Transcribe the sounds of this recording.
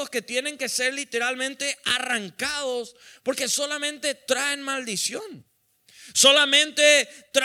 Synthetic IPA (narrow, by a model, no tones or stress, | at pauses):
oske̞t̪je̞ne̞ŋke̞se̞ɾlit̪e̞ɾalmẽnt̪e̞araŋkaðo̞spo̞ɾke̞so̞lamẽ̞nt̪e̞t̪ɾae̞nmald̪isjo̞n | so̞lamẽ̞nt̪e̞t̪ɾ